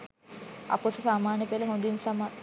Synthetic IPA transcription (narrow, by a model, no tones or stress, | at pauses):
ɐ̰posusaːmaːnjɐpelɐɦond̪insama